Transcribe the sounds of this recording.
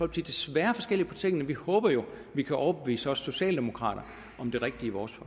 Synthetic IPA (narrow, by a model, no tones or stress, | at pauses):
ɒl̰b̥siːd̥esʋæːɐfɒ̽sɡ̥el̰ipʰɒt͡sʰe̝ŋɡ̥nəʋihɔ̽ːb̥ɐjo̝ | ʋikʰæʔɒʊɐb̥eʋḭːsəɒ̽sːo̝ɕɛ̰ːld̥e̝mo̝kʰʁɑ̰̈ːɾ̥ɐ | ɒ̽md̥e̝ʁeɡ̥̚d̥iiʋɒːsfɒ̽